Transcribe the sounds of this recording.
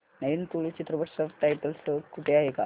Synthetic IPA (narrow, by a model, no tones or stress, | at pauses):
neint̪uɭit͡ɕit̪ɾəʋəɾʂəʋʈajʈəlsəkʰːuʈʰeaɦeka